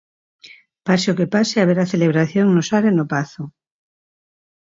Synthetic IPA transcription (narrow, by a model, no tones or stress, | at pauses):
paseokepaseaβeɾaθeleβ̞ɾaθjoŋnosaɾenopaθo